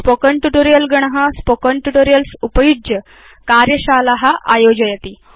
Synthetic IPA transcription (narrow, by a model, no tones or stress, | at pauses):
spokəɳʈuʈoɾijəlɡəɳ̃ɦaspokəɳʈuʈoɾijəlsupəjud͡ʑjə | kaɾjəɕalaɦaʔa̰jod͡ʑəjat̪iː